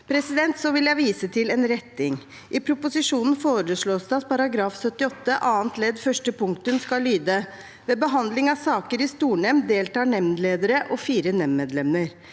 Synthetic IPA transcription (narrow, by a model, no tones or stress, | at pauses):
pʰɾɛsɪd̪ɛnt̪sɔʋɪljæɪʋiːsət̪ʰɪlɛnɾɛt̪ːɪŋ | ʔɪpʰɾʊpʊsɪʂuːnn̩foːɾəʂɭoːsd̪ɛɑt̪̚pʰɑɾɑɡɾɑːfsœt̪ːɪɔt̪ːəʔɑːənt̪lɛd̪fœʂʈəpʰʊŋkt̪ənskɑlːyːd̪ə | ʋeːbəɦɑnd̪lɪŋɑsɑːkəɾɪst̪uːɳɛmnd̪eːlt̪ɑːɳɛmnleːd̪əɾəʔɔfiːɾənɛmːeːd̪lɛməɾ